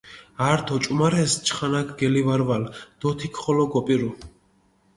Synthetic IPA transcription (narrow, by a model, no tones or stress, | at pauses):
aːɾt̪ʰɔt͡ʃʼumaɾɛst͡ʃʰχanakʰɡɛlivaɾvald̪̥ɔt̪ʰikʰχɔlɔɡɔpʼiɾu